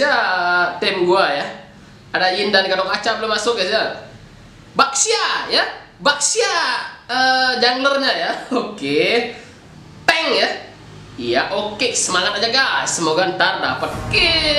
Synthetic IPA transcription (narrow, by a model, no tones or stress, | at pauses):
at̪ɛmɡuaja | adaindankalokat͡ʃabləmasʊkjasia | bak̚siaja | bak̚siaəd͡ʒaŋɡlərɲajaoke | t̪ɛŋja | ijaʔokesəmalakad͡ʒaɡasəmoɡant̪arda̰pət̪̚ke